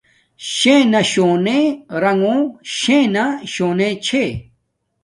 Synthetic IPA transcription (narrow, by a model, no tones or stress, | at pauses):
ɕẽːnɐɕoːneɾɐŋõɕẽnaɕoːnẽt͡ɕʰe